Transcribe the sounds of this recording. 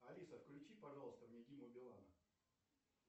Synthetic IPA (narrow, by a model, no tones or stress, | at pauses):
ɐlʲisəfklʲʉt͡ɕipɐʐalˠəst̪əvnʲɪɡʲimʊbʲɪlˠa̰nə